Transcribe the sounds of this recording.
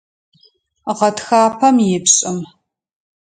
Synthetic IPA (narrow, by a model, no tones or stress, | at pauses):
ʁɐtxaːpʰɐmjɪpɕʼɪm